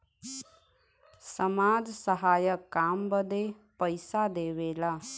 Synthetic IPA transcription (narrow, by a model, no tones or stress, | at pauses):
səmad͡ʒsəɦaːjəkːambəd̪e | pəɪsad̪ebela